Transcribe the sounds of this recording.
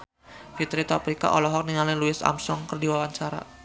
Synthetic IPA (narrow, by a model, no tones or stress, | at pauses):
fit̪ɾit̪ɔpɾika̰ʔɔlɔɦɔk̚niŋalɪnluɪsa̰msɔŋkərdiwawaɲt͡ʃaɾa̰